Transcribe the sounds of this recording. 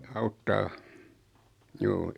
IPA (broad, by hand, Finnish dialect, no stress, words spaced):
ɑutːɑː juː